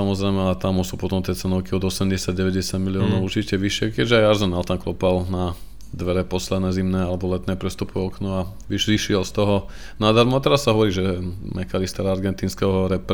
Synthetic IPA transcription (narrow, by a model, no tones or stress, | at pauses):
samɔzɾɛɪmɛaɛt̪amusuːpɔt̪ɔmt̪jɛt͡sɛnɔʊkiɔd̪ɔsɛmɟɛsɪaɟ̚ɟɛʋɛɟɛsɪaɟmiliɔːnɔʊuɾt͡ʃicɛʋiʃɪɛkɛʒɛajaɾzɔnalt̪amklɔpalna | d̪ʋɛɾɛpɔslɛd̪nɛːzimnɛːalɛbɔlɛt̪nɛːpɾɛst̪upuɔknua | ʋiʃiʃɪɛlst̪ɔɦɔ | nad̪aɾmɔat̪ɛɾasːaɦɔʋɔɾiːʒɛmʔɛkalist̪ɛɾaaɾɡɛnt̪iːnskɛɦɔɾɛp